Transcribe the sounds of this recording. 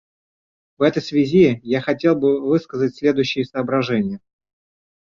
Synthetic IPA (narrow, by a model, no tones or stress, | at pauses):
vɛt̪əjsvʲɪzʲijaxɐtʲe̞lˠbɨvɨskəzətʲsʲlʲe̞d̪ʊjʉɕːɪjəsəːbɾɐʐɛnʲɪjə